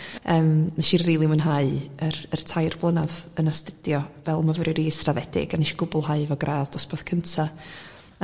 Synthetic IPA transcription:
əːmnaʃirriːlˠimənɦaɨərərtʰajrblˠənaðənastəd̥jɔvɛlˠmavəɾɨɾiːsravɛdɪ̰ɡanɪʃɡ̥ʊbʊlˠhaɨvɔɡrʔaːvd̥ɔsbɔð̥kʰəntʰa

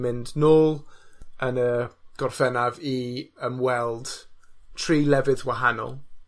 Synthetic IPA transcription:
mɪndnoːlˠənəɡ̥ɔrfɛnaviəmwɛlˠd̥tʰriːlɛvɨðwaɦanɔ̰lˠ

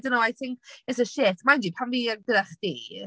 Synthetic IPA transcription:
dənoajθɪ̃ŋkɪtsəʃɪtmaɪ̃ndipʰanviəɡəɾəχd̥iː

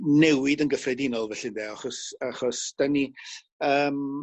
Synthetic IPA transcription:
nɛwɪdənɡəfrɛdɪnɔlˠvɛɬɪndɛaχɔsaχɔsd̥ani | əːm

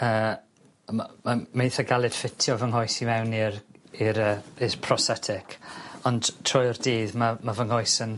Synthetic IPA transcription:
əː | mamamejθaɡalˠɨd̥fɪtʰjɔvəŋɦɔjsiwɛwniɾiɾəːirpʰrɔsɛtʰɪkʰɔnd̥tʰrɔjɔrdiːðmamavəŋhɔjsən

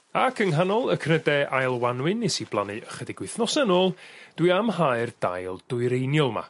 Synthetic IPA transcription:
akʰəŋɦanɔlˠəkʰnədɛʔajlˠwanwɨnːesiblˠanɨəχədɪɡwɪθnɔsɛnoːlˠd̥wiamhaɨrd̥a̰jlˠd̥ʊɨɾejnjɔlˠma̰

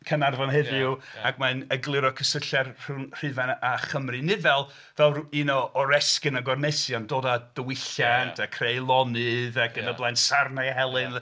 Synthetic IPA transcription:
kʰənarvɔnɦɛðɨwaɡmanəɡlˠɪɾɔkʰəsəɬɛrr̥unr̥ɨvanaχəmrɨnɪdvɛlˠ | vɛlˠiːnɔːɾɛskɨnɔɡɔrnesjandoːdad̥əwɪɬjantʰakʰrejlˠɔnɨðak̚ɡ̥ədablˠajnsarnaɦɛlˠɨn

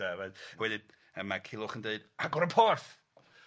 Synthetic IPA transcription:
avɛwɛdɪ | əmakʰɪlˠʊχəndeɨd̥aɡɔɾəpʰɔrθ

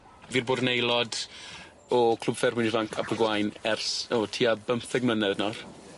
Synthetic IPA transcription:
viːrboːdnejlˠɔd | ɔkʰl̥ˠʊb̥fɛrwɪnivaŋkʰa̰bəɡwajnɛrsɔtʰiːabəmθɛɡ̚mənɛðnɔr

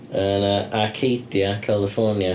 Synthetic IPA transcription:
ənəʔakʰejdjakʰalˠɪfɔnja

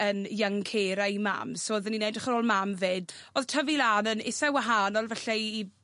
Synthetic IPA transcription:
ənjaŋkʰeːɾaima̰msoːðəninedrəχəɾoːlˠmamveːd | oð̥tʰəvilaːnənɪsɛwaɦaːnɔlˠvɛɬɛː

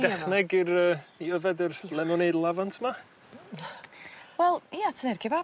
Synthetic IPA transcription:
d̥ɛχnɛɡirəːiəvɛdərlˠɛmɔnedlˠavantʰma | wɛlˠijatʰənɪrɡʰɪba

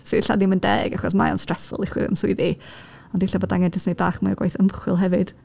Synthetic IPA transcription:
siɬa̰diməndɛɡaχɔs̬maɔ̰nstr̥ɛsfʊ̰lˠɪχwɪ̰ə̰msʊɨði | ɔndɪɬaboːdaŋɛndɪsnebaːχmaaɡwajθəmχwɪlˠɦɛvɨd̥

